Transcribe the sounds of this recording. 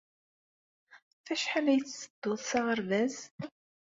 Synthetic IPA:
fæʃħalæjət͡sːsəd̪̥ːoðˤsɑʁəɾvæz

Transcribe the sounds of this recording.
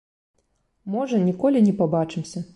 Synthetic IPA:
mɔʐɐnʲikɔlʲinʲɛpabat͡ʂɨmsʲɐ

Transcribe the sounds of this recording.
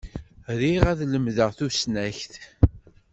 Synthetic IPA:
ɾiʁæðləmðəʁθusnæçθ

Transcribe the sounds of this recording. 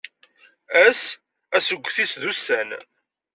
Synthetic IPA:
æs | æsəɡʷːθisðusːæn

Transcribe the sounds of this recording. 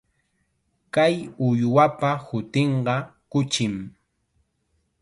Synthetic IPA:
kajʊjwapahʊt̪eɴɢɑkʊt͡ʃɪm

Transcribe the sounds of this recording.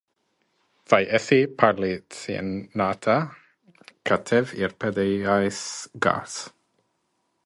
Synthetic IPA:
v̥ajʔɛθipʰaɾlitḭɛ̰nnatʰa | kʰatʰɛvirpʰɛdɛjajsɡ̥a̰ːs

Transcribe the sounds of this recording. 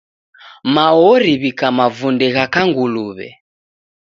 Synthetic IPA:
maɔɾiβikamavundɛɣakaŋɡuluβɛ̰

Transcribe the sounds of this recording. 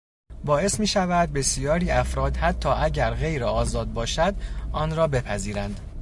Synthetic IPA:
bɒːe̞smiːʃævæd̪̚be̞sijɒːɾiːæfɾɒːd̪hæt̪ʰːɒːʔæɟæɾɣe̞jɾeɒːzɒːd̪̚bɒːʃæd̪ʔɒːnɾɒːbe̞pʰæziːɾænd̪

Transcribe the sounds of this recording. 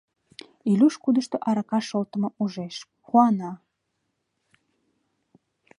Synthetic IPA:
ilʲuʃkud̪əʃt̪oʔɑɾɑkɑʃolt̪ə̆mouʒeʃ | xuɑnɑ

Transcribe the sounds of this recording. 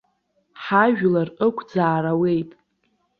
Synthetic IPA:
ħaʒᶣlarəkʷʰd͡zaːɾawe̞jtʼ

